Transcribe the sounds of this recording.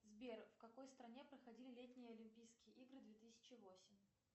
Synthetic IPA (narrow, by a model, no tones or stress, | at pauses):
zbʲerfkɐko̞jst̪ɾɐnʲepɾəxɐdʲilʲɪlʲetʲnʲɪjəɐlʲɪmʲpʲijskʲɪjəʔiɡɾɨd̪vʲet̪ɨsʲɪ̥t͡ɕɪvo̞sʲɪmʲ